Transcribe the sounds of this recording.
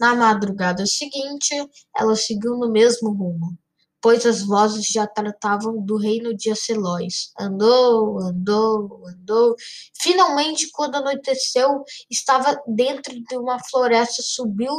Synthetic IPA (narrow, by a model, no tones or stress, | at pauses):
nɐmad̪ɾuɡad̪ɐʊsɪɡĩt͡ʃɪ | ɛ̰lɐsɪɡiwnʊmezmʊɦũmʊ | pojzɐzvɔzɪzʒat̪ɾat̪avɐ̃w̃d̪ʊɦejnʊd͡ʒɪɐselɔsɐ̃nd̪oɐ̃nd̪oɐ̃nd̪owfinawmẽnt͡ʃɪkwɐ̃nd̪ʊanot̪esewɪst̪avɐd̪ẽnt̪ɾʊd͡ʒɪũmɐfloɾɛst̪ɐsubiw